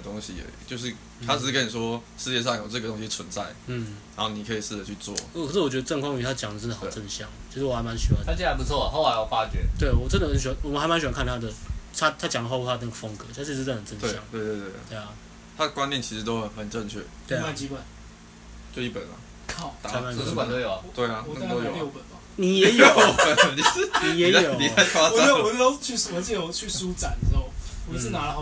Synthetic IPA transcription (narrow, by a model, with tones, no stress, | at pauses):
t̪o˥ŋɕḭ˧˥˨t͡ɕjo˥˧ʊʂ̬ɻ̩i˥˩ | t̪ʰa˥˨˩ɻ̩˥kʰə˦˥ni˨˩ʂwɔ˥ʂɻ̩˥˧jɛ˥˧ʂ̬ɑ˥˩ŋjo˨˩ʈ͡ʂɤ˥˩ɡə˩t̪o˥ŋɕi˧˥t͡sʰwə˧˦nt͡sa˥˩ɪn̩˥˩na˦nxo˥˩ʊni˨˩kʰə˧˥i˨˩ʂɻ̩˥˩d̪ə˨˩t͡ɕʰy˥˧t͡swɔ̰˥˨ɔ˥˨˩kʰə˨˩ʂɻ̩˥˩wt͡ɕɥɛ˧˥d̪ə˧ʈ͡ʂə˥˧ŋkʰwɑ˥˧ŋy˧˥˩t̪ʰa˥t͡ɕjɑ˨˩ŋd̪ə˩ə˥nd̪ə˨xɑ˨˩ʈ͡ʂə˥˧nɕjɑ˥˩ŋt͡ɕʰʂɻ̩˥˩wɔ˨˩a˧ɪma˧˦nɕy˧˥wa˧˥˦a˥˩t͡ɕi˥˩a˧˥npu˧˥t͡sʰwɔ˥˩˨xo˥˩ʊla˦ɪɔ˨˩fa˥t͡ɕɥɛ˧˥t̪we˥˩ɪwɔ˨˩ʈ͡ʂə˥nd̪ə˨hə˨˦nɕnwɔ˨˩˨xɪma˧˦nɕy˨˩a˦ŋkʰa˥˨nt̪ʰa˥d̪ə˨t̪ʰa˥t̪ʰa˥t͡ɕjɑ˨˩ŋlə˧xa˥˧pu˥˧˩a˥d̪ə˩n˥˩ɡə˩fə˦˥ŋkɤ˩˦t̪ʰa˥i˥˧˥ə˨˩ə˨˩nʈ͡ʂə˥˧n˥jɑ̰˥˨ŋwe˥˧ɪwe˥˧t̪we˥˧˩we˥˩a˩ | t̪ʰa˥ə˩kwa˦njɛ˥˨nt͡ɕʰi˧˥ʂɻ̩˧˥t̪o˥ʊxə˨˩nxə˨˩nʈ͡ʂə˥˧ŋt͡ɕʰɥɛ̰˥˩t̪we˥˩a˥˩t͡ɕi˥kwa˥˩n | t͡ɕjo˥˧ʊi˥˩pə̰˨˩nɐ̰˦ | kʰa˥˩ʊt̪a˨˥ma˥˩˥kwa˨no˧˥˩jo˨˩ʊa˩t̪we˥˩ɪa˨ɔ˨˧˥o˧˥pə˨˩na˨˦ni˨˩jɛ˨˦jo˨˦˨i˨˩˥ni˨jɛ˨˦˨jo˨˩˦i˨a˥˩ɪfʰwa˥˨˥wɔ˨˧˥o˥t͡ɕʰy˥˩sə˨˩mə˧t͡s̩˥˩jo˨˧˦ʊt͡ɕʰy˥˩su˦t͡sa˨˩˦nd̪ə˨ʂ̩˧˦xo˥˩ʊ | wɔ˨˩i˨ʂ̬̩˥˩na˨˥˦lə˧o˥˨